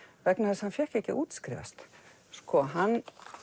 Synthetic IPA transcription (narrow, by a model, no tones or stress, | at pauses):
vɛknaθɛshanfjɛhkɛhcɪʔuːt̪skɾḭːva̰st̪ | skɔɦanː